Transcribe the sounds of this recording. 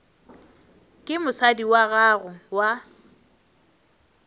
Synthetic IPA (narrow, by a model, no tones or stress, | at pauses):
kʼɪmʊsadiwaɣaːɣʊwa